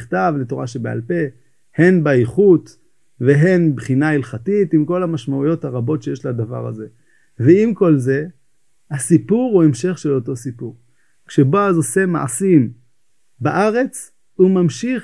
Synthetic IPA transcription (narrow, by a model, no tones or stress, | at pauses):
χtavleto̞ʁaʃebea̰lpe̞ | he̞nbaiχut̪ | ve̞ɦe̞nbχinailχatitimko̞lhamaʃmaujo̞thaʁabo̞tʃejeʃlad̪ava̰ʁa̰ze̞ | veimko̞lze̞ | hasipuʁue̞mʃe̞χʃe̞lo̞to̞sipuʁ | kʃeboazose̞ma̰ʕa̰sim | baʔaʁe̞t͡s | umamʃiχ